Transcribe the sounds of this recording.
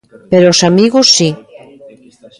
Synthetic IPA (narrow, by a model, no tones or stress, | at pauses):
peɾoosamiɣosːi